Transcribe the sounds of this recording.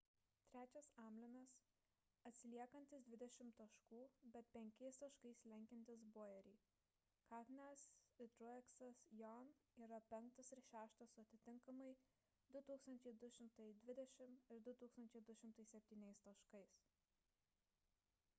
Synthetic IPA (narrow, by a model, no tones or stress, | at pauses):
t̪ʲɾʲæːt͡ʃʲɛsɑːmʲlʲɪnɐs | ɐt̪ʲsʲɪlʲiɛkɐnʲt̪ʲɪsd̪ʲʋʲɪd̪ʲɛʃʲɪmt̪ɐʃkuːbʲɛt̪̚pʲɛŋʲkʲɛɪst̪ɐʃkɐɪslʲɛŋʲkʲɛnʲt̪ʲɪsboːjɛɾʲiː | kɑːknʲæsɪt̪ɾɔɛksɐsjɔniːɾɐpʲɛŋkt̪ɐsɪɾʃʲæːʃt̪ɐsʊɐt̪ʲɪt̪ʲɪŋkɐmɐɪ | d̪ʊt̪uːkst̪ɐnʲt͡ʃʲɛɪd̪ʊʃʲɪmt̪ɐɪd̪ʲʋʲɪd̪ʲɛʃʲɪmɪɾd̪ʊt̪uːkst̪ɐnʲt͡ʃʲɛɪd̪ʊʃʲɪmt̪ɐɪsʲɛpʲt̪ʲiːnʲɛɪst̪ɐʃkɐɪs